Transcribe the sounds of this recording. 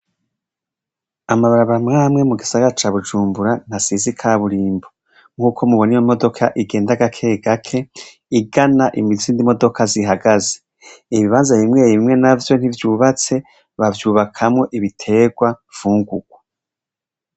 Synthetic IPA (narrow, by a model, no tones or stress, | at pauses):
amaβaɾaβaɾamŋaːmŋe̞muɡisaɡaɾat͡ʃaːβud͡ʒuːmbuɾan̥asizikʰaːβuɾiːmbo | ŋ̥uːkʰo̞muβonijomo̞do̞kʰaʔiɡe̞ːndaɡakʰe̞ɡakʰe̞ | iɡanaʔimiziːndimo̞do̞kʰaziɦaɡaze̥ | iβiβaːnzajimŋe̞ːjiβimŋe̞navjo̞n̥hivjuːβat͡se̞ | βavjuːβakʰamŋo̞ʔiβitʰe̞ːɡwav̥uːŋɡuɡ̥̚wa